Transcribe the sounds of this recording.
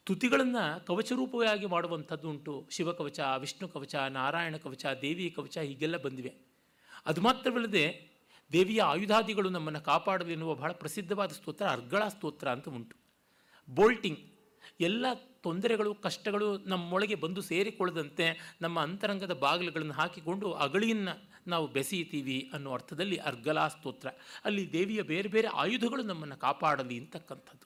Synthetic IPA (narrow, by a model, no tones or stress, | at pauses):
t̪ut̪iɡɐɭɐnːɐkɐʋɐt͡ʃɐɾuːpɐʋɐjaːɡimaːɽuʋɐnt̪ʰɐd̪ːuːɳʈuʃiʋɐkɐʋɐt͡ʃɐʋiʂɳukɐʋɐt͡ʃɐnaːɾaːjɐɳɐkɐʋɐt͡ʃɐd̪eːʋijɐkɐʋɐt͡ʃɐɦiːɡɛlːɐbɐnd̪iʋe̞ | ɐd̪umaːt̪ɾɐʋɐlːɐd̪e̞ | d̪eːʋijɐaːjud̪ʱaːd̪iɡɐɭunɐmːɐnːɐkaːpaːɽɐlinːuʋɐbɐɦːɭɐpɾɐsid̪ʱːɐʋaːd̪ɐst̪oːt̪ɾɐːɾɡɐɭast̪oːt̪ɾɐːnt̪ɐuɳʈu̥ | boːlʈiŋɡ | ɛlːɐt̪o̞nd̪ɐɾɛɡɐɭukɐʂʈɐɡɐɭunɐmːɔɭɐɡe̞bɐnd̪use̞ːɾekɔɭːɐd̪ɐnt̪e̞nɐmːɐːnt̪ɐɾɐŋɡɐd̪ɐbaːɡɐlɐɡɐɭɐnːɐɦaːkiko̞ɳɖuʔɐɡɐɭijɐnːɐ | naːʋubesijt̪iːʋiɐnːuːɐɾt̪ʰɐd̪ɐlːiʔɐ̰ɾɡɐɭaːst̪oːt̪ɾɐɐlːid̪eːʋijɐbeːɾebe̞ːɾe̞ʔa̰ːjud̪ʱɐɡɐɭunɐmːɐnːɐkaːpaːɽɐlːiːnt̪ɐkːɐnt̪ʰɐd̪ːu̥